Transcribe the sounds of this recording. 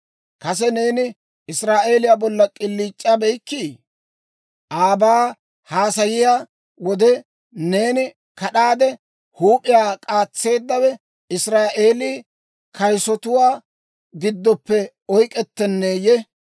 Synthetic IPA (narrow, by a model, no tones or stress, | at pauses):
kɐs̬ɛne̞ːnɪ | ɪsɾaːʔe̞ːlɪjabɔlːɐkʼɪlːiːt͡ʃʼːaːbɛjkːiː | ʔaːbaː | haːsɐjɪjaː | wɔd̪ɛ | ne̞ːnɪ | kɐɗaːd̪ɛ | huːpʼɪjaːkʼaːt͡sːe̞ːd̪ːɐwɛ | ɪsɾaːʔe̞ːliː | kʰɐjsɔt̪ʊwaː | ɡɪd̪ːɔpːɛ | ɔjkʼɛt̪ːɛnːeːjɛ